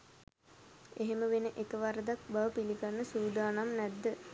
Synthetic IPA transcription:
eɦeməʋenəʔekəʋaɾəd̪ak̚baʋəpiliɡanːəsuːd̪aːnamnæd̪ːə

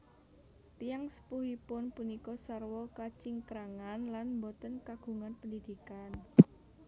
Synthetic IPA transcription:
t̪ijaŋsə̥puɦipʊnpunikɔsarwɔkat͡ʃiŋkɾaŋanlanmbɔt̪ənkaɡ̥ṳŋanpəndid̪̥i̤kan

